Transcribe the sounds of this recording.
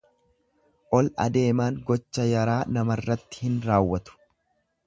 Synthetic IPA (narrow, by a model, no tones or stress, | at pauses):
ʔɔlɐ̰d̪e̞ːmaːŋɡɔt͡ʃːɐjɐɾaːnɐmɐrːɐt̪ːɪ̥hɪnɾaːwːɐt̪ʊ̥